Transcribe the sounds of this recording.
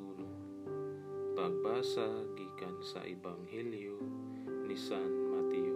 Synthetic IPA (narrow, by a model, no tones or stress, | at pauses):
ulu | paɡ̚basaɡikansa̰ʔebaŋheliu | lisanmat̪i